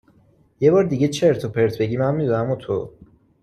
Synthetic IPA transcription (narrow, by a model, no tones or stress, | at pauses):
jebɒːɾd̪iɡet͡ʃʰeɾt̪ʰopʰeɾt̪ʰbeɟimænmːid̪unæmut̪ʰo̰